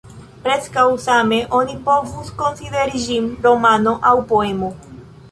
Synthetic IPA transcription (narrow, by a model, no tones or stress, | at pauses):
pɾeskawsameʔonipovuskonsiðeɾiʒimɾomanoʔawpoemo